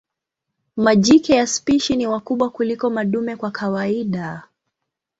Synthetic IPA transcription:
maʄikɛjaspiʃiniwakuɓwakulikɔmaɗumɛkwakʰawaiɗa

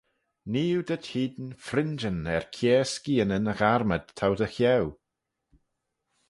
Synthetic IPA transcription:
niːɪwdəd̥hiːdn̩frɪnd͡ʒənɛrkʰjɛːskiənənəχarməd̥̚tʰawdəxjɛw

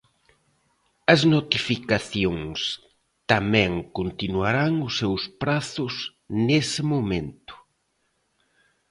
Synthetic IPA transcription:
ɐznot̪ifikaθjõŋs | t̪amɛ̃ŋkont̪inuaɾaŋʊsːewspɾaθʊz | nesɪmomẽnt̪ʊ̥

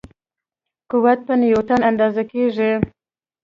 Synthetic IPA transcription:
kuwat̪̚pənjot̪anand̪ɑzakeʐi

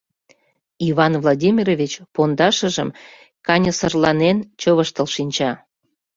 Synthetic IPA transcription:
iβɑnvlˠodʲimʲirovʲit͡ɕpond̪ɑʃə̆ʒə̰m | kɑnʲəsərlɑnent͡ɕəβəʃt̪əlʃinʲt͡ɕɑ

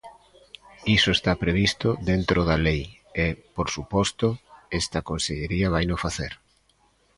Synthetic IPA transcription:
isʊest̪apɾeβ̞ist̪ʊðent̪ɾʔoðɐlej | epoɾsupɔst̪ʊɛst̪ɐkonseʎeɾiɐβ̞ajnofaθeɾ

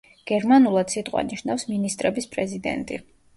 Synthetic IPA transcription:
ɡ̥ɛɾmanulˠad̪̥sit̪ʼqʼwa̰niʃnafsminist̪ʼɾɛbispʼɾɛzid̪ɛ̰nt̪ʼḭ

